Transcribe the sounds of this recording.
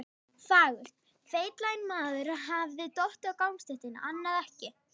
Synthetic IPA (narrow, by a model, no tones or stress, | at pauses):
faːɣʏr̥t̪ | feːjt̪lajnmaːðʏɾaɦavðɪt̪ɔht̪ɪawkawmst̪ɪht̪ɪna̰ʔanːaðɛhcɪ